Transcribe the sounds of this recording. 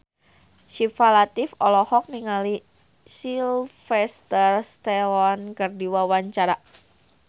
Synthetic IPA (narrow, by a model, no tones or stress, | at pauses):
ʃifalat̪ifɔlɔhɔk̚niŋali | silfɛst̪ərst̪ɛwɔnkərdiwawaɲt͡ʃaɾa